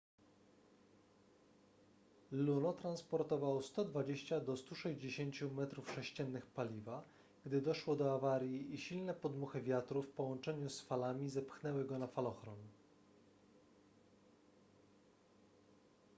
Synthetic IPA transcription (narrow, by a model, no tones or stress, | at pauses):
lunɔt̪ɾanspɔɾt̪ɔvawɔst̪ɔd̪vad͡ʑeɕt͡ɕad̪ɔst̪uʂɛʑd͡ʑeɕeɲt͡ɕumɛt̪ɾufʂɛɕt͡ɕɛnːɘxpalʲiva | ɡ̥d̪ɘd̪ɔʂwɔd̪ɔavaɾʲjiiɕilnɛpɔd̪muxɘvʲjat̪ɾufpɔwɔnt͡ʂɛɲusfalamʲizɛpxnɛwɘɡɔnafalɔxɾɔn